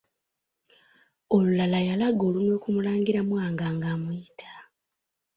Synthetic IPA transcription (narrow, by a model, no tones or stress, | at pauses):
olulalajalaɡo̞ːlumwe̞ːkumulaːŋɡiɾamwaːŋɡaːŋɡaːmujitʰḁ